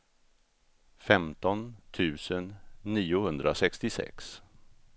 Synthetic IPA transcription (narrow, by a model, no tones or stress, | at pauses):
fɛmt̪ɔnt̪ʰʉ̟ːsənːiːʊhɵnd̪ɾʔasɛkst̪ɪsɛ̰ks